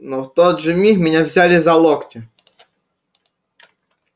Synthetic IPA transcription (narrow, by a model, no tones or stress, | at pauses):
nɔwt̪ɔd̪ʒɪmʲixmʲinʲɛwzʲalʲɪzɐlˠɔktʲi